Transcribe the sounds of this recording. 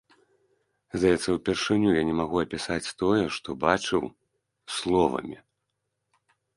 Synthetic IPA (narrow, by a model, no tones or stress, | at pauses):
zd̪ajɛt̪sːɐwpʲɛrʂɨnʲujanʲɛmaɣuɐpʲisat͡sʲt̪ɔjɛʂt̪ɔbat͡ʂɨw | slˠɔvɐ̰mʲi